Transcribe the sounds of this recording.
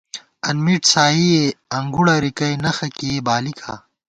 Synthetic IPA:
ɐnmiʈsaːijeɐŋɡuɽɐɾikɐjnɐxɐkiebaːlikʰa̰ː

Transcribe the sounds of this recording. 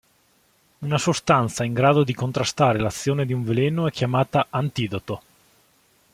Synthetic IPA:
unasost̪ant̪saiŋɡɾaːd̪od̪ikont̪ɾast̪aːɾelat̪sːjoːned̪iuɱvelenoɛkːjamaːt̪aʔːnt̪iːd̪ot̪o

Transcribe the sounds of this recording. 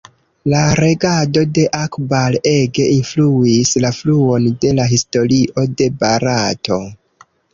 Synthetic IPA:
laɾe̞ɡado̞de̞ʔakbale̞ɡe̞ʔinfluislafluo̞nde̞laɦisto̞ɾiʔo̞de̞baɾato̞

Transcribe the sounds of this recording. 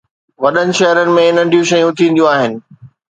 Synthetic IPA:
ʋɐɗənɪ̆ʃɐɦɾənɪ̆mẽɪnəɖʱijũʃɐjũt̪ʰĩːnd̪jũaːɦɪnɪ̆

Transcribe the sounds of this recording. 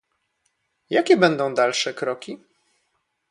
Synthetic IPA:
jakʲɛbɛnd̪ɔ̃w̃d̪alʂɛkɾɔkʲi

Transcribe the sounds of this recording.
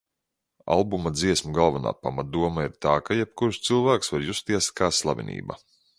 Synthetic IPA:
a̰lˠbumad̪ziɛsmuɡalˠvana̰ːpamat̪̚d̪uɔmaiɾt̪aːkajɛp̚kuɾʃt̪sɨlˠvæːksvaɾjust̪iɛskaːslˠa̰vʲḭnḭːba̰

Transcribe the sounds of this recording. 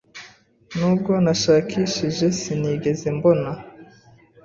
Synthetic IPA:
nuːb̚ɡo̞naʃaːkʰiʃiʒe̞siniːɡe̞ze̞mbo̞na

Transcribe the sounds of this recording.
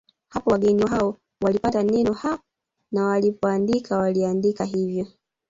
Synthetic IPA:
hapɔwaɡɛniaɔ | walipatanɛnɔha | nawalipɔandikʰawaliandikaɦivjɔ

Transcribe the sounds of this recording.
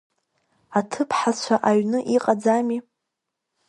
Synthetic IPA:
atʰɨpʰħat͡ɕʷʰaʔaɥnɨʔiqʼad͡zami

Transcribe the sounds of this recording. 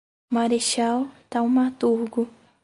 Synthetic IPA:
maɾeʃawt̪aʊ̃mat̪uɾɡʊ

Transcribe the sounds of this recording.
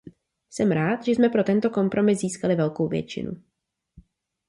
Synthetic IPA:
sɛmɾaːt̪ʒɛsmɛpɾo̞t̪ɛnt̪o̞ko̞mpɾo̞mɪsziːskalɪvɛlko̞wvjɛ̰t͡ʃɪ̰nṵ

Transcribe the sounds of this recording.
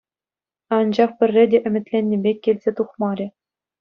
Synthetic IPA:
ɑnd͡ʑɑχpʲɘ̆rʲːedʲeʔɘ̆mʲɘ̆t̪ʲlʲenʲːebʲekʲːelʲzʲet̪uχmɑɾʲɘ̆

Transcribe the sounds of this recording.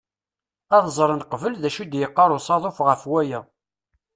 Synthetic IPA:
ɑðzˤɾˤənqvəlðæʃud̪jəqːɑɾˤʊsˤɑðˤofʁəfwæjæ

